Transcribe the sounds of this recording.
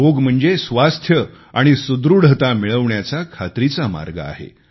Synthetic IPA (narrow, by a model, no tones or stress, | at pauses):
oɡm̤əɳd͡zesʋast̪ʰjə | aɽ̃isud̪ɾuɽət̪amiɭəʋɳjat͡sakʰat̪ɾit͡sama̰ɾɡa̰a̰ɦḛ